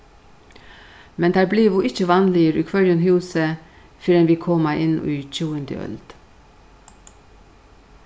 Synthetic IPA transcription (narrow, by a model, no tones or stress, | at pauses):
mɛnd̪ʰæːbliːʋuːʔɪçəʋɑnliːəɾʉːkʰʋœɾənhʉːsə | fɪɾɛnʋiːkʰɔmɑʔɪn̰yːt͡ʃuːənd̪ə̰ʔœ̰ld̪̥